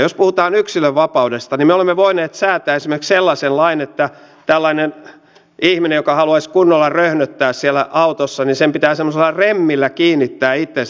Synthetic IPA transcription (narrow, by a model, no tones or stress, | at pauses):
jospuhut̪ɑːnyksiløʋʋɑpɑudest̪ɑnimeolemːeʋoineːt̪sæːt̪æːesimerkselːɑsenlɑinet̪ːæ | t̪ælːɑinen | ihminejokɑhɑluɑiskunːolːɑrøhnøt̪ːæːssielæʔɑut̪osːɑnisempit̪æːsemːoselːɑremːilːækiːnːit̪ːæːit̪ːe